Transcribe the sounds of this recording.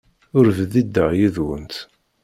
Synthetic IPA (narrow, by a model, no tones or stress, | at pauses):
ʊɾvəðid̪ːəʁjiðwə̰nt̪